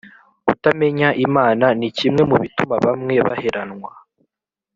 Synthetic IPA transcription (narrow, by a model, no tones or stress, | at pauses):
utame̞ɲaʔimaːnanicimŋe̞muβitumaβamŋe̞βa̰he̞ɾanŋwa